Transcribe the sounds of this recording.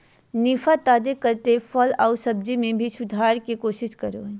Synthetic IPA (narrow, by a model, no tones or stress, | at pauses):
nifat̪aːd̪ekɐɾt̪efʰɔlaʊsɐb̚d͡ʒimẽbʱisʊd̪ʱaːɾkikoːʃɪʃkɐɾo